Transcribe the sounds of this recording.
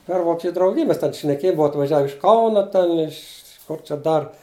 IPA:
pʲɛr ˈʋoːkʲɛt͡ʃʲʊ drɐʊˈɡʲɪj mʲɛs ˈtʲɛn ʃʲnʲɛˈkʲeːj ˈbʊʋɐ ɐtʋɐˈʒʲɛw ɪʃ ˈkɐʊnɐ tʲɛn ɪʃ kʊr t͡ʃʲɛ ˈdɐr

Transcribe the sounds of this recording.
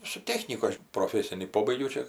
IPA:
sʊ ˈtʲæːxʲnʲiːkʊ ˈɐʃ proːˈfʲæːsʲɪnʲiː ˈpoːbɐɪɡʲɛʊ ˈt͡ʃʲɛ

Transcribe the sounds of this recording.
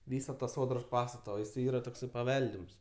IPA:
ˈʋʲiːsɐ tɐ ˈsoːdroːs ˈpɑːstɐtɐ oː jɪˈsɐɪ ˈiːrɐ ˈtoːksɐɪ pɐˈʋʲɛlʲdʲɪms

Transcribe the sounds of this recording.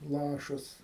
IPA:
ˈlˠɑːʃɐs

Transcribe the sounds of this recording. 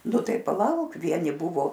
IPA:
ˈnʊ ˈtɐɪ pɐˈlˠɐʊk ˈʋʲiɛnʲɪ ˈbʊʋoː

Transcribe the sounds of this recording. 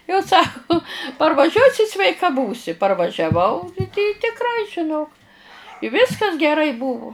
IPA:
jɛʊ ˈsɑːkʊ pɐrʋɐˈʒʲuɔsʲɪ sʲʋʲɛɪˈkɐ ˈbuːsʲɪ pɐrʋɐʒʲɛˈʋɐʊ ɪ tʲɪkˈrɐɪ ʒʲɪˈnoːk ɪ ˈʋʲɪskɐs ɡʲɛˈrɐɪ ˈbʊʋʊ

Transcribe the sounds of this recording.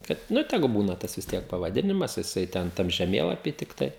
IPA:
kɐt ˈnʊ ˈtʲæːɡʊ ˈbuːnɐ ˈtɐs ʋʲɪs ˈtʲiɛk pɐʋɐˈdʲɪnʲɪmɐs jɪˈsɐɪ tʲɛn ˈtɐm ʒʲɛˈmʲeːlˠɐpʲiː tʲɪkˈtɐɪ

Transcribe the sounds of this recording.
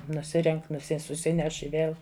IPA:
nʊˈsʲɪrʲɛŋʲkʲ nʊˈsʲɪ sʊˈsʲɪnʲɛʃ ɪ ˈʋʲeːlˠ

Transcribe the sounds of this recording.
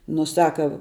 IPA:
nʊ ˈsɑːkɐ

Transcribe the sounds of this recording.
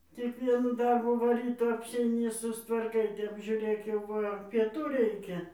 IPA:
tʲɪk ˈʋʲiɛnuː ˈdɐrbuː ˈʋɐ ˈrʲiːtoː ɐpʲsʲɛɪˈnʲɪ sʊstʋɐrˈkɐɪ ˈtʲɛp ʒʲuːˈrʲeːk jɛʊ ˈʋɐ pʲiɛˈtuː ˈrʲɛɪkʲɛ

